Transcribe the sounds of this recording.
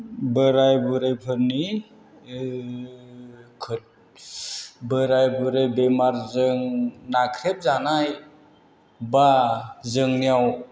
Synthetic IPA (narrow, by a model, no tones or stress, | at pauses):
bəɾajbɯɾajpʰɯɾni | kʰɯt̚ | bəɾajbɯɾejbemaɾzɯŋnakʰɾep̚zanaj | bazɯŋnijaw